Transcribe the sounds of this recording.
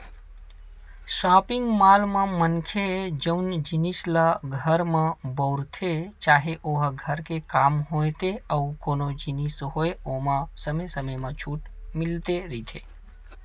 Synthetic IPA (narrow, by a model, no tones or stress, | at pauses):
saːpɪ̃ŋɡmaːlmãmənkʰed͡ʒəʊnd͡ʒinislaɡʱəɾmãbəʊɾt̪ʰet͡ʃaːɦeʔoːɦɡʱəɾkekaːmɦoːet̪eəukoːnod͡ʒɪnisɦoːeoːmãsəməsəməjmãt͡ʃʰuːʈmɪlt̪eɾit̪ʰḛ